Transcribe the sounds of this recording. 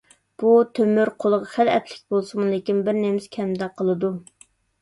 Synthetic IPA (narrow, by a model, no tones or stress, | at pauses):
b̥ut̪ʰømyɾqʰolˠəʁɑχælɛt̪ʰlɪk̚ʲbolˠsɨmɨlˠekʲinbɪɾnemɪskʲʰɛmd̪ɛqʰəlˠɨd̪u